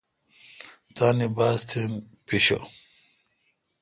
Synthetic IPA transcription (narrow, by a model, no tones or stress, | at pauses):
t̪aːnibaːst̪ʰem | piɕo̰